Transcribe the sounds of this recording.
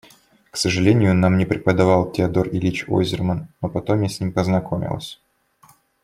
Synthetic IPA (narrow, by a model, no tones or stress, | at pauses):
ksəʐɨlʲenʲɪjʊnamnʲɪpɾʲɪpəd̪ɐvɑlˠtʲɪɐd̪o̞rɪlʲit͡ɕo̰zʲɪrmənːopɐt̪o̞mʲjʲesʲnʲimpəznɐkʰo̞mʲɪ̰lˠə̰sʲ